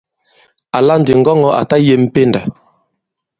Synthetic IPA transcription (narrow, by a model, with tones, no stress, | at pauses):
a˨la˦n˨di˨ŋ̩˦ɡɔ˦ŋɔ˦ʔa̰˨ta˦je˦˨m̩˦pe˦nda˨